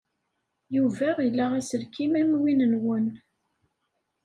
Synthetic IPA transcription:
juvæʁilːæʁæsəɾkimæmwinənwən

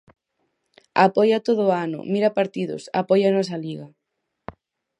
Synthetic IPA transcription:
a̰pɔjat̪oðʊanʊ̰miɾɐpaɾt̪iðʊ̰sa̰pɔjanɔs̬ɐliɣɐ

